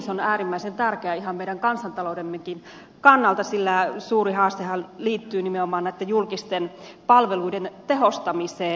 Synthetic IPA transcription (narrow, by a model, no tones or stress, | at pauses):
sonæːrimːæisent̪ærkeæihɑmmeiɾæŋkɑnsɑnt̪ɑloudemːekin | kɑnːɑlt̪ɑsilːæsuːriɦɑːst̪ehɑlliːt̪ːyːnimeomɑːnæit̪ːejulkist̪enpɑlʋeluident̪eɦost̪ɑmiseː